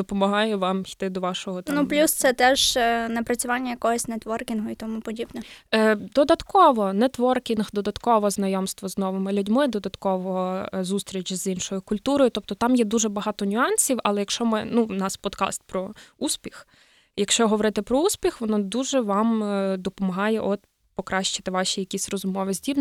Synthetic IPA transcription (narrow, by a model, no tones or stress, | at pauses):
d̪ɔpɔmɐɦɑjɛʋɑmxʲi̥t̪ɪd̪ɔʋɑʃɔɦɔt̪nuplʲust̪sɛt̪ɛʒnɛpɾɐt͡sʲʊʋɑnʲːɐjɐkɔɦɔsʲnɛt̪ʋɔrkʲinɦʊit̪ɔmupɔdʲibnɔd̪ɔd̪ɐt̪kɔʋɔnɛt̪ʋɔrkʲind̪ɔd̪ɐt̪kɔʋɔznɐjɔmst̪ʋɔznɔʋɪmɪlʲʊdʲmɪd̪ɔd̪ɐt̪kɔʋɔɔzust̪ɾʲit͡ʃɐzinʃɔjʊkʊlʲt̪uɾɔjʊt̪ɔp̚t̪ɔt̪ɑmjɛd̪uʒɛbɐɦɑt̪ɔnʲʊɑnsʲiwɐlˠɛjɐkʃt͡ʃɔmɪnunɑspɔt̪kɑ̰st̪̚pɾɔuspʲix | jɐkʃt͡ʃɔɦɔʋɔɾɪt̪ɪpɾɔusʲpʲixʋɔnɔd̪uʒɛʋɑmd̪ɔpɔmɐɦɑjɛʔɔt̪ | pɔkɾɑʃt͡ʃɪ̥t̪ɪʋɑʃʲijɐkʲisʲrɔzmɔʋɪzʲdʲin